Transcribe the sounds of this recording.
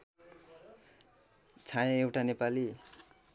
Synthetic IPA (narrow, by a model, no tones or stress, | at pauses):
t͡sʰãjʌ̃ewʈanepali